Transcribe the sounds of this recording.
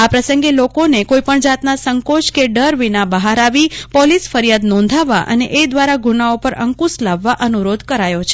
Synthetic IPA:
apɾəsəŋɡelokonekoipəɳd͡ʒat̪nasəŋkot͡ʃkeɖəɾʋinabəɦaɾaʋipɔlisfəɾjad̪nɔ̃nd̪ʱaʋa̰ʔə̰neʔed̪ʋaɾaɡunaopəɾə̰ŋkuslaʋːaʔənuɾod̪ʱkəɾajot͡ʃʰe̥

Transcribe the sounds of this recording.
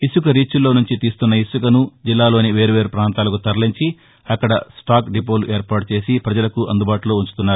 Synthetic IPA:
iʃukɐɾiːt͡ʃːulːo̞ːnuɲt͡ʃit̪iːst̪unːɐisukɐnud͡ʒilːaːlo̞ːniʋe̞ːɾuʋe̞ːɾupɾaːnt̪aːlɐkut̪ɐɾɐliɲt͡ʃi | ɐkːɐɽɐsʈaːkɖip̬o̞ːluʔeːɾpaːʈut͡ʃe̞ːsipɾɐd͡ʒɐlɐkuʔɐnd̪ubaːʈuloːuɲt͡ʃu̥t̪unːaːɾu

